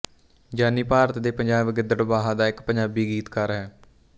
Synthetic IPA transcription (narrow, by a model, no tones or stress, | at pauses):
d͡ʒaːniːpaːɾət̪d̪eːpəɲd͡ʒaːbɡɪd̪əʈbaːɦaːd̪aːɪkpəɲd͡ʒaːbiːɡiːt̪kəɾɦɛː